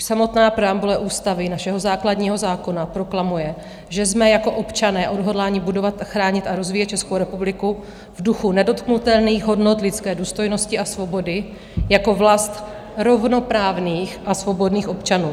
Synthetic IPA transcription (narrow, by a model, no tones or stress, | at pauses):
samo̞t̪naːpɾɛambulɛʔuːst̪avɪnaʃɛɦo̞zaːkladɲiːɦo̞zaːko̞napɾo̞klamujɛ | ʒɛzmɛjako̞ʔo̞pt͡ʃanɛːʔo̞dɦo̞dlaːɲɪbudo̞vat̪axɾaːɲɪt̪aɾo̞zviːjɛt̪t͡ʃɛskowɾɛpublɪku | vduxunɛdo̞t̪knut̪ɛlniːɣɦo̞dno̞t̪lɪt̪t͡skɛːduːst̪o̞jno̞scɪʔasvo̞bo̞dɪ | jako̞vlast̪ | ɾo̞vno̞pɾaːvniːxʔasvo̞bo̞dniːxo̞pt͡ʃanuː